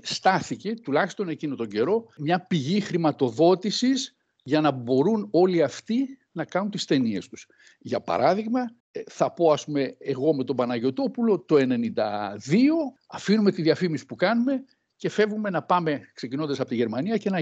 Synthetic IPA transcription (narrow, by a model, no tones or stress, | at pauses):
st̪ɐθice̞t̪ulɐçi̥st̪o̞necinot̪o̞ɲɟe̞ɾo̞mɲɐpiʝixɾimɐt̪o̞ðo̞t̪isiz | ʝɐnɐbo̞ɾuno̞liɐft̪i | nɐkɐnunt̪ist̪e̞nie̞st̪u̥s | ʝɐpɐ̰ɾʔɐðiɣmɐ | θɐpo̞ɐspumeeɣo̞me̞t̪o̞bɐnɐʝo̞t̪o̞pulo̞t̪o̞e̞ne̞nind̪ɐ̰ðio̞ɐfinume̞t̪iðiɐfimisi̥pukɐnume̞ | ce̞fe̞vume̞nɐpɐme̞kse̞cino̞nd̪ɐsɐpo̞t̪iʝe̞ɾmɐniɐce̞nɐ